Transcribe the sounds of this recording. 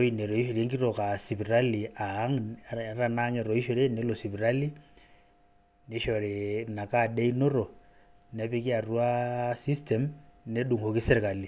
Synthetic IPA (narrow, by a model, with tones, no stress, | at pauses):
o˦i˨nɛ˨ɾɔ˨i˦ʃo˨ɾie˦ŋki˦ɾɔ˨ka˨si˨piɾa˦liaː˨˦ŋ˦ɾanaŋɛ˨ɾɔ˨i˦ʃo˦ɾe˦ne˦lo˨si˨pi˨ɾa˦li˦ | neʃɔɾena˨kadɛ˦i˦no˦ɾɔ˨ | nɛ˦pɛ˦ki˦a˨ru˦a˦si˦stɛmne˦ɗu˨ŋho˨ki˦sɛ˦ɾi˨ka˨li